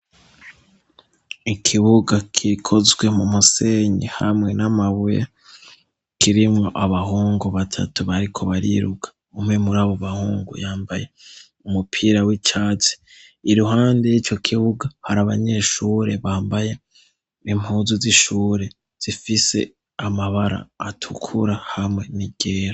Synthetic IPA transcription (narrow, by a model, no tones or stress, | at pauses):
ikʰiβuɡakʰikʰo̞zɡwe̞mumuse̞ɲeha̰mŋe̞namaβuja | kiɾimŋoʔaβaɦuːŋɡoβatʰa̰tuβaɾikʰo̞βaɾḭɾukḁ | umŋe̞muɾaːβo̞βahuːŋɡo̰jaːmbaje̞ | umupʰiːɾawit͡ʃaːt͡si̥ | iɾuɦaːnde̞jit͡ʃo̞kʰiβuɡahaɾaβaɲe̞ːʃuːɾe̞βaːmbaje̞ | imhuːzuziʃuːɾe̞ | z̥ifise̞̰ | amaβaɾa̰ːtʰukʰṵɾahamŋe̞niɟ̥eːɾo